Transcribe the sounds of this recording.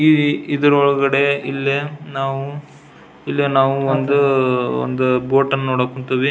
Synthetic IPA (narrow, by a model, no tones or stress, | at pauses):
iid̪ɐɾɔɭɐɡɐɽe̞ilːenaːʋu | ilːenaːʋuond̪uo̰nd̪uboːʈɐnːoːɽakːuɳt̪iʋi